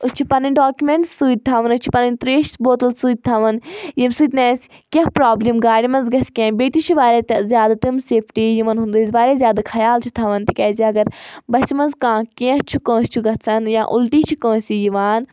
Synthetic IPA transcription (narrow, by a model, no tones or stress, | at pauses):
ut͡ʃʰipɐnɐnʲɖaːkʲumẽɳʈssɨːd̪̚ʲt̪ʰaʋɐnut͡ʃʰi̥pɐnɐnʲt̪ɾeːʃboːt̪əlsɨːd̪̚ʲt̪ʰɐʋɐnjimsɨːd̪ʲnẽːskʲẽɦpɾaːblimɡaːɽimɐnzɡɐskʲẽːnbeːt̪it͡ʃʰiʋaːɾʲeːt̪ɐzʲjaːd̪at̪ɨmseːpʰʈijiʋɐnɦund̪ɨːzʲʋaːɾezʲjaːd̪akʰɐjaːlt͡ʃʰut̪ʰɐʋɐnt̪ikʲɛːziɐɡɐɾbɐsmɐnzkãːkẽɦt͡ʃʰukə̃ːst͡ʃʰuɡɐt̪sɐnjãːʔʊlʈiːt͡ʃʰukə̃ːsijiʋaːn